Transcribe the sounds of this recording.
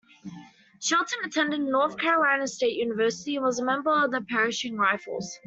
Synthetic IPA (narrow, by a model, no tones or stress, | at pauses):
ʃɛlˠtə̃nətʰɛ̃ndɪdⁿnɔˑθkʰæɹəlãɪ̃nəsteɪʔjʉːnɪvɜˑsɪ̥tiə̃nwɒzəmɛ̃mbəɹəvðəpʰɛɹɪʃɪ̃ŋɹaɪfə̰lˠz̥